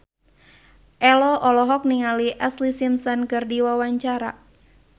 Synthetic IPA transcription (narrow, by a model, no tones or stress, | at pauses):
ʔɛlɔʔɔlɔɦɔk̚niŋaliʔɛslisimsɔnkərdiwawaɲt͡ʃaɾa̰